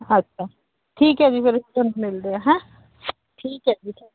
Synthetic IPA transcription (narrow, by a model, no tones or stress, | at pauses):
ɐtːʃʰaː | ʈʰiːkɦɛd͡ʒipʰɪɾɪsʈə̃nmɪld̪eaɦɛ̃ | ʈʰiːkɦɛːd͡ʒipʰɪ